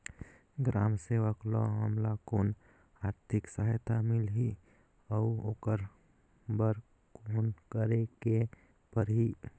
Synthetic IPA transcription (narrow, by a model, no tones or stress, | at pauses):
ɡɾaːmseːʋəklɔ̰ɦəmlakoːn | aːɾt̪ʰɪksəɦjt̪ʰamɪlɦi | ɔuoːkəɾ | bəɾ | koːnkəɾeke | pəɾɦi